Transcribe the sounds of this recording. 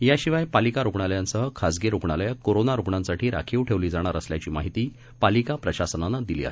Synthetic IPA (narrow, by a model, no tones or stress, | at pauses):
jaɕiʋajpalikaɾuɡɳaljansəɦəkʰad͡zɡeɾoɡɳaljakoɾonaɾuɡɳãnsaʈʰiːɾa̰kʰiʋʈʰeʋliːd͡zaɽ̃aɾəslja̰t͡ɕiːmaɦit̪iː | palikapɾəɕasənanad̪ilḭːa̰ɦe